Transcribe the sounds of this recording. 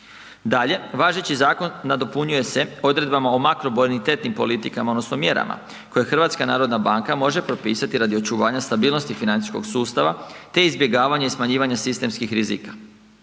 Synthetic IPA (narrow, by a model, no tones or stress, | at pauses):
d̪aʎe̞ʋaːʒe̞t͡ɕizaːkonːad̪opuɲuje̞se̞o̞d̪ɾe̞d̪̚bamaomakɾoboɾenit̪e̞ːt̪nimpo̞̰lit̪ikamaod̪no̞sno̞mje̞ɾa̰mʔa̰ | ko̞jexr̩ʋaːt̪skanaːɾo̞d̪nabaŋkamo̞ʒe̞pɾo̞piːsat̪iɾad̪io̞t͡ʃuʋaːɲast̪abiːlˠno̞st̪ifinani̥sko̞̰ɡsuːst̪aʋat̪e̞izbje̞ɡaːʋaɲaismaɲiːʋaɲasist̪e̞mskixɾizḭːkḁ